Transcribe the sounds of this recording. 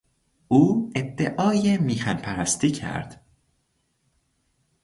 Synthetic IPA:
ʔuːed̪ːeʔɒːjemiːxænpʰæɾæst̪ʰiːcʰæ̰ɾd̪̥

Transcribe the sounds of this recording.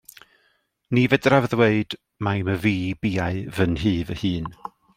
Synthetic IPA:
nivɛdravðweɨd̥ | majməviːbiːaɨvənɦiːvəhɨːn

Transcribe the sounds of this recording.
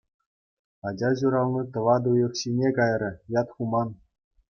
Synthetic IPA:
ɑd͡ʑɑʑuɾɑlnit̪ɤ̆ʋɑd̪ujɤ̆kɕinʲekɑjrʲɤ̆jɑt̪χumɑn

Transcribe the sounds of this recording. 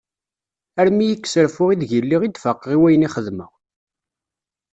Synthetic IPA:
æɾmijəkːsəɾfʊʁiðʝəlːiʁid̪fəqːʁiwæjəniχəðmə̰w

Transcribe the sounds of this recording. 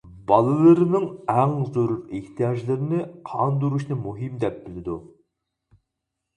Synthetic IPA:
bɑlˠɨlˠɨɾɨnɨŋæŋzøɾʊɾeht̪ʰijɑʒlˠɨɾɪnɪqʰɑnd̪uɾuʃnɨmuɦimd̪ɛp̚b̥ɪlɪd̪u

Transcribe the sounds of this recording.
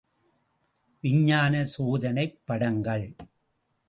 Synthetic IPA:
ʋɪɲːaːnɐsoːðɐnɐɪpːɐɽɐŋɡɐɭ

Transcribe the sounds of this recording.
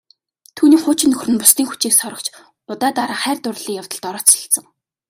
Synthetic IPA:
t̪ʰuːniːχʊːt͡ɕɪ̆nɵxrɘ̆npʊst̪iːŋxut͡ɕiːksɔɾɞə̆kt͡ɕʰ | ʊt̪aːt̪aɾaːχæːrt̪ʊrɮiːkjawt̪ə̆ɮt̪ɔɾɔːt͡sɪ̥ɬt͡sə̆ŋ

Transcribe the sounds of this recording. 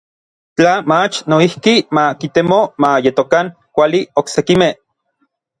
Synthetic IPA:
t͡ɬamat͡ʃnoihkimakit̪emomajet̪okaŋ | kʷalioksekimeh

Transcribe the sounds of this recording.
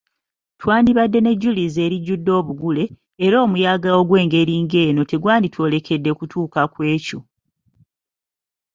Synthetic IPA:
twaːndiβadːe̞ne̞ɟːulize̞ːɾiɟːudːo̞ːβuɡule̞ː | ɾo̞ːmujaːɡao̞ɡwe̞ːŋɡe̞ɾiːŋɡe̞ːno̞te̞ɡwaːnditwo̞ːle̞kʰe̞dːe̞kutʰuːkakwe̞ːco

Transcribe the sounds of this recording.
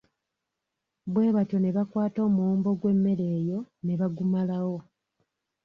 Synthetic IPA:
βwe̞ːβato̞ne̞βakwaːto̞ːmuuːmbo̞ɡwe̞mːe̞ɾe̞ːjo̞ne̞βaɡumalawo̞

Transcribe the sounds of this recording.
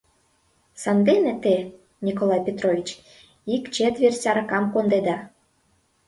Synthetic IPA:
sɑnd̪enĕt̪e | nʲikolˠɑjpʲet̪rovʲit͡ɕ | ikt͡ɕet̪vʲersʲɑɾɑkɑmkond̪ed̪ɑ

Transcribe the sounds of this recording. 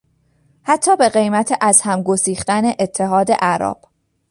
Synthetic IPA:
hæt̪ʰːɒːbe̞ɢe̞jmæt̪ʰeʔæzhæmɡosiːxt̪æne̞ʔet̪ʰːe̞ɦɒːd̪e̞̰ʔæɾɒ̰ːb̥

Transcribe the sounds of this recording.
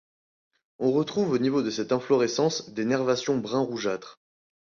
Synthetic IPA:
ɔ̃ʁət̪χuvonivod̪əsɛt̪ɛ̃flɔʁesɑ̃sd̪enɛʁvasjɔ̃bʁɛ̃ʁuʒat̪χ

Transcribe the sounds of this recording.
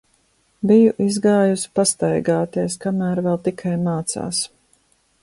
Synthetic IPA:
bijuʔizɡaːjusi̥past̪ajɡaːt̪iɛskamæːɾvɛlˠt̪ikʰajmaːt̪sa̰ːs

